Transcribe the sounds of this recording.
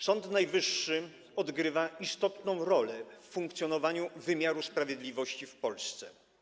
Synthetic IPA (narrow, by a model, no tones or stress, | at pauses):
z̥ɔnt̪najvɘʂːɘ | ɔd̪ɡɾɘvaist̪ɔt̪nɔ̃w̃ɾɔlɛfːuŋkt̪sʲjɔnɔvaɲuvɘmʲjaɾuspɾavʲjɛd̪lʲivɔɕt͡ɕifpɔlst̪sɛ̰